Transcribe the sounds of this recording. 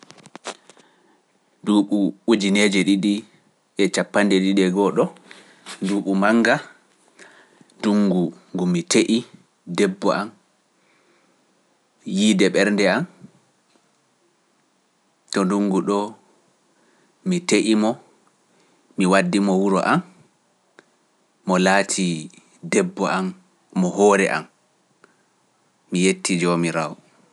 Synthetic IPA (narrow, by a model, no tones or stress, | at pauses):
nduɓuud͡ʒined͡ʒɛɗiɗi | ʔɛt͡ʃapːandɛɗiɗɛɡɔɗɔ | nduɓumaŋɡa | duŋɡuŋɡumːiteʔi | dɛbːɔʔam | jiːdɛɓɛɾndɛam | tɔnduŋɡuɗɔ | miteʔimɔ | miwadːimɔwuɾɔ̰ʔam | ɔlaːtʰi | dɛbːɔʔamː | ɔhɔɾɛ̰ʔa̰m | mijetʰːid͡ʒomiɾaɔ